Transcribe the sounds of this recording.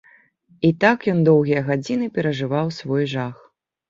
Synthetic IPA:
it̪akjɔnd̪ɔwɣʲijɐɣad͡zʲinɨpʲɛɾɐʐɨvawsvɔjʐax

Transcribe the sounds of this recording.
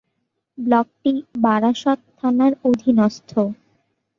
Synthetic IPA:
blɔk̚ʈibaɾaʃɔt̪t̪ʰːanaɾod̪ʱinɔst̪ʰo

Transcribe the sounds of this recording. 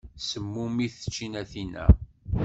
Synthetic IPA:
səmːumiθə̥t͡ʃːinæθinæ̰

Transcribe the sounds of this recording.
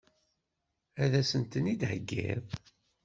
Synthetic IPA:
æðæsənt̪ənid̪həɡːḭð

